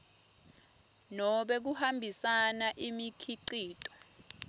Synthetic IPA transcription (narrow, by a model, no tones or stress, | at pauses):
nɔɓɛk̬uhambʱisanaʔimikʰiǀiːtʼɔ̥